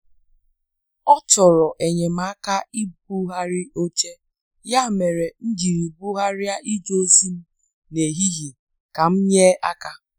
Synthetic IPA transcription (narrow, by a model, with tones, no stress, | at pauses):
ɔ˦tɔ˨ɾɔ˨ʔe˨ɲe˨m̩˦a˦ka˦i˦b̚u˦ɦa˦ɾɪ˦o˦t͡ʃe˦ | ja˦˨me˨ɾe˨n̩˦d͡ʒi˨ɾi˨bu˦ɦa˦ɾɪ˦a˦ʔi˦d͡ʒo˦su˦m̩˦ | ne˨ɦi˦ɦi˨ | ka˨m̩˦ɲe˦a˦ka˦